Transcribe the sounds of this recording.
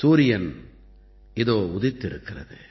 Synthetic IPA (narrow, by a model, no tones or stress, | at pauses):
suːɾɪjɐn | ɪðoːʊðɪt̪ːɪɾɯkːɪrɐ̰ðɯ̰